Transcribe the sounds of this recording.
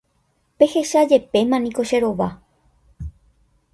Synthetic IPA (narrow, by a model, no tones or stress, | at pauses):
pe̞he̞ʃad͡ʒe̞pe̞mãnĩko̞ʃe̞ɾo̞ʋa